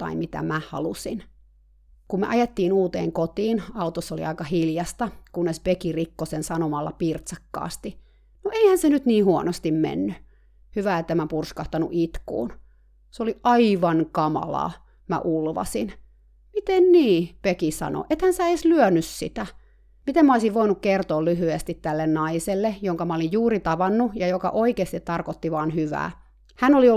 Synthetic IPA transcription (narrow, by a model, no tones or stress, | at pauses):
t̪ɑ̰imit̪æ̰mæhɑ̰lusin | kummḛʔɑjet̪ːiːnuːt̪ḛːŋkot̪iːnɑut̪osolḭɑikɑhiljɑst̪ɑkunːespekirikːosensɑnomɑlːɑ̰pirt̪sɑkːɑ̰ːst̪i | noʔeihænsenyt̪niːhuɔnost̪immḛnːy | hyʋæet̪ːæmæpurskɑht̪ɑnṵʔit̪kṵːn | soliʔɑiʋɑnkɑmɑ̰lɑ̰ː | mæ̰ʔulʋɑ̰sin | mit̪enniːpekisɑ̰no̰ʔet̪hænsæeslyønyssḭt̪æ | mit̪emæoisiʋʋoinukkert̪oːlyɦyest̪it̪tælːennɑiselːejoŋkɑmɑolijjuːrit̪ɑʋɑnːujɑjokɑ̰ʔoikeːst̪it̪tɑrkot̪ːiʋɑːnhyʋæ̰ː | hænolio